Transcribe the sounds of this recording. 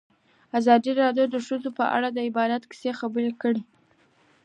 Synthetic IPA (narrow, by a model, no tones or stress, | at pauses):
azɑd̪iɾɑdjod̪əʃəzopəʔa̰ɽad̪əɪbɑd̪at̪ki̥sexabəɾekəɽi